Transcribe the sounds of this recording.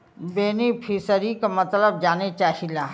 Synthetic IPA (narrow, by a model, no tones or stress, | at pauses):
beːnipʰisəɾikamɐt̪ləb̚d͡ʒaːnet͡ʃaːhilaː